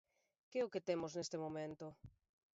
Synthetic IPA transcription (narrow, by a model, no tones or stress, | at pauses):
keʊkɪt̪emʊznest̪ɪmomẽnt̪ʊ